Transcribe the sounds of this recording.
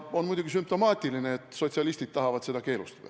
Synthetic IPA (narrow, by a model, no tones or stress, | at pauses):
o̞nmujd̪uɡ̥isympt̪o̞mɑːt̪ʲːˑilineet̪ːˑso̞t̪ʲsiɑlist̪id̥̪̚t̪ɑɦɑvɑd̪̥se̞d̪ɑke̞ːlust̪ɑ̥d̪̥ɑ̰